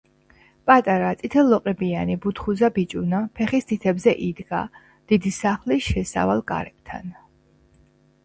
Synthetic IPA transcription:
pʼat̪ʼaɾat̪sʼit̪ʰɛlːɔqʼɛbianibut̪ʰχuzabit͡ʃʼunapʰɛχist̪ʰit̪ʰɛbzɛʔid̪ɡa̰ | d̪̥id̪isaχliʃɛsa̰valˠkʼa̰ɾɛp̚t̪ʰa̰n

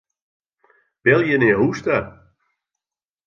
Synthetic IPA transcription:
b̥ɛlˠjəneːɦustə

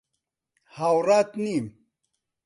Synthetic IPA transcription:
hawɾaːt̪nim

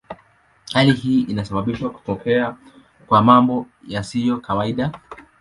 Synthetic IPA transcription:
halihiːʔinasaɓaɓiʃwaku̥pɔkʰɛa | kwamambɔ | jasijɔkawaiɗa

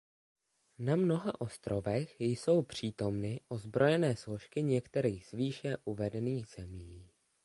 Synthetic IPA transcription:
namno̞ɦaʔo̞st̪ɾo̞vɛxjso̞wpr̝̥iːt̪o̞mnɪʔo̞zbɾo̞jɛnɛːslo̞ʃkɪɲɛkt̪ɛɾiːɣz̥viːʃɛʔuvɛdɛniːxz̥ɛmiː

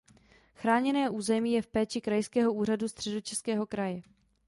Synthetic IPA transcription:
xɾaːɲɛnɛːʔuːzɛmiːjɛfpɛːt͡ʃɪkɾajskɛːɦo̞uːradust̪r̥ɛdot͡ʃɛskɛːɦo̞kɾajɛ

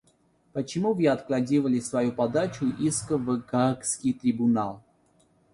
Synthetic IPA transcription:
pət͡ɕɪmuvjɛɐt̪klˠadʲivəlʲɪsvɐjupad̪at͡ɕʊʔiskəvɨɡakskʲijt̪ɾʲɪbʊnalˠ

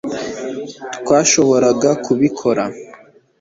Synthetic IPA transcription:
twaːʃo̞βo̞ɾaɡakuβikʰo̞ɾa

